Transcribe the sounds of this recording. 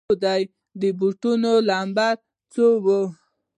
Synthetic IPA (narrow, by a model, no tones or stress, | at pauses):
d̪aj | d̪əbuʈunolɑmbaɾ | t͡sowə